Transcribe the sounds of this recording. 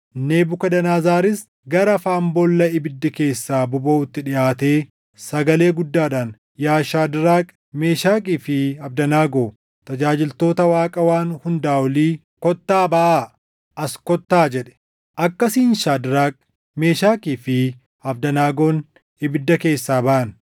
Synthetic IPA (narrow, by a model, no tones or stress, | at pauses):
neːbʊkɐd̪ɐnaːzaːɾɪs | ɡɐɾɐfaːmbɔlːɐɪbɪd̪ːɐke̞ːsːaːbʊbɐʊt̪ːɪᶑɪʔaːt̪e̞ː | sɐɡɐle̞ːɡʊd̪ːaːᶑaːn | jaːʃaːd̪ɪɾaːkʼ | me̞ːʃaːkʼiːfɪɐbd̪ɐnaːɡoː | t̪ɐd͡ʒaːd͡ʒɪlt̪o̞ːt̪ɐwaːkʼɐwaːnhʊnd̪aːwɔliː | kɔt̪ːaːbɐʔaː | ʔɐskɔt̪ːaːd͡ʒɛɗɛ̥ | ʔɐkːɐsiːnʃaːd̪ɪɾaːkʼ | me̞ːʃaːkʼiːfɪ | ɐfd̪ɐnaːɡo̞ːn | ɪbɪd̪ːɐke̞ːsːaːbɐʔɐn